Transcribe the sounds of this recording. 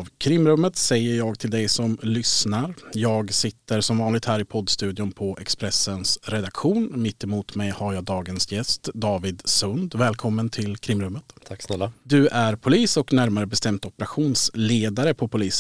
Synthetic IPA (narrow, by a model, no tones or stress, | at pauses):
vkʰɾɪmːɾɵmːət̪sɛjːəɾjɑːɡt̪ʰɪld̪ɛjsɔmlʏsnaɾjɑːɡsɪt̪ːəɾsɔmvɑːnlɪɡ̚t̪hæːɾɪpʰɔd̪ːst̪ʉ̟ːd̪ɪʊmpʰɔʔɛ̰kspɾɛsənsɾɛd̪akɧuːnmɪt̪ːɪmuːt̪mɛjhaɾjɑːɡd̪ɑːɡənsjɛst̪d̪ɑːvɪd̪sɵnd̪vɛːlkʰɔmːənt̪ʰɪlkʰɾɪmːɾɵmːət̪t̪ʰaksnɛlːad̪ɵʔæɾpʰʊliːsɔknæɾmaɾəbɛst̪ɛmt̪ɔpəɾaɧuːnsleːd̪aɾəpʰɔpʰʊliːs